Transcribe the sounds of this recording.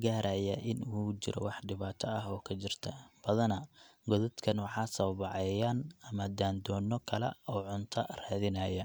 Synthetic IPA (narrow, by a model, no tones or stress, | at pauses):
ɡaːɾaːjɐʔɪnuːt͡ʃɪ̰ɾɔ̰wɑħɖɪβaːt̪ʰɔɐɦɔːkʰɐt͡ʃɪrt̪ʰɐb̥ɐðɐnɐɡɔðɐd̪kʰɐnwɑħɑːsɐwbɑʕɛːjaːnɐmɐd̪aːnd̪ɔːnːɔkʰɐlɛ̰ɔːʕʊnt̪ʰɐraːðɪnɐːjɐ